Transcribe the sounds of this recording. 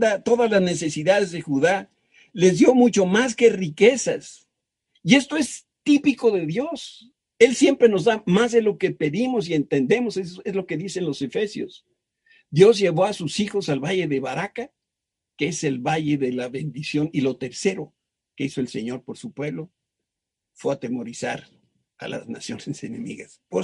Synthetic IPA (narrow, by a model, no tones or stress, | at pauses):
d̪at̪o̞ðazlazne̞se̞siðaðezðexuða | le̞zðjo̞mut͡ʃo̞mas̬ke̞rike̞sas | ie̞st̪o̞e̞s | t̪ipiko̞ðe̞ðjo̞s | e̞lsje̞mpɾe̞no̞zðamazðe̞lo̞ke̞pe̞ðimo̞s̬ie̞nt̪e̞nd̪e̞mo̞seezlo̞ke̞ðise̞nlo̞se̞fe̞sjo̞̰s | d̪jo̞zʝe̞β̞o̞asusixo̞salβaʝe̞ðe̞βaɾaka | keese̞lβaʝe̞ðe̞laβe̞nd̪isjo̞nilo̞t̪e̞ɾse̞ɾo̞ | ke̞iso̞else̞̰ɲo̞ɾpo̞ɾsupweβlo̞ | fwe̞at̪e̞mo̞ɾisa̰ɾ | a̰la̰zna̰sjo̞nese̞ne̞̰mḭɣaspo